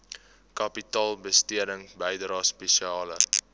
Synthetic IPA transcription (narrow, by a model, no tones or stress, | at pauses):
kɐpitɑːlˠbəstiədəŋbəjdɾɑːspɛʃiɑːlə̰